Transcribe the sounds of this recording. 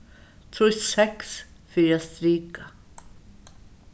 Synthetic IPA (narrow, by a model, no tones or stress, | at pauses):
t̪ʰɔssɛksfiɾast̪ɾiːka